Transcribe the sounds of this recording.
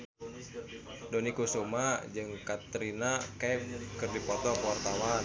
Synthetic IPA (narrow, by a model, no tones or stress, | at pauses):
dɔnikusumad͡ʒɨŋkat̪ɾinakɛpkɨrdipɔt̪ɔwart̪awa